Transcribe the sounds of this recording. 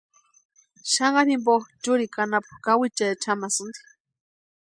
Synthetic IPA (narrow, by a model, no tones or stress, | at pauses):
ʃaŋɢɑnimboxt͡ʃuɾikanapu̥kawit͡ʃat͡ʃʰamasɨnd̪i̥